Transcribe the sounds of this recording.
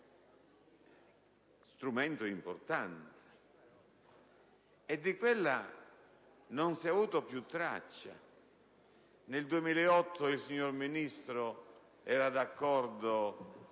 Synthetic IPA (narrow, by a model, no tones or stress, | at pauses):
st̪ɾumɛnt̪oimpo̰ɾt̪ant̪e̥ | ɛd̪ːikwelːa | nonsɛavuːt̪opjut̪ːɾa̰t͡ʃːa̰ | neld̪uemiːlɛɔt̪ʰːoilsiɲːoɾminist̪ɾo | ɛːɾad̪akːɔɾd̪o